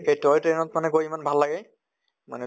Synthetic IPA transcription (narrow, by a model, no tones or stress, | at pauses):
ejtɔtɹenɔtmanɛɡojimanbʱalːaɡɛ | manɛ